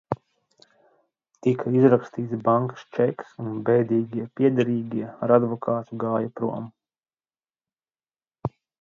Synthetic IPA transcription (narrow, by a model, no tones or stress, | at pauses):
t̪ikʰaizɾakst̪iːt̪sbaŋkḁst͡ʃɛksunbɛjd̪iːɡiɛpʲiɛd̪aɾiːɡiɛaɾad̪vɔkʰaːt̪uɡaːjapɾṵɔm